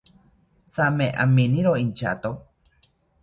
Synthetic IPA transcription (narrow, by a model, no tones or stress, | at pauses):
t͡sameʔa̰mĩnĩɾoint͡ʃa̰t̪o